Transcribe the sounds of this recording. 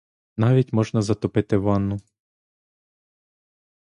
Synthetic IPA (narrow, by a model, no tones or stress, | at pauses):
nɑʋʲitʲmɔʒnɐzɐt̪ɔpɪt̪ɪʋɑnːʊ